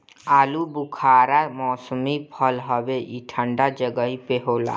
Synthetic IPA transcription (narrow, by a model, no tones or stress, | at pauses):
aːlubukʰaːɾamɔːsəmipʰəlɦəbeiʈʰə̃ɳɖad͡ʒəɡəipeɦoːla̰